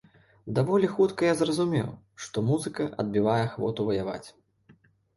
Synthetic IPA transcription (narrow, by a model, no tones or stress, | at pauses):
d̪avɔlʲixut̪kɐjazrɐzumʲɛ̰w | ʂt̪ɔmuzɨkɐʔɐ̰d̪̚bʲivajɛxvɔ̰t̪uvɐjava̰t͡sʲ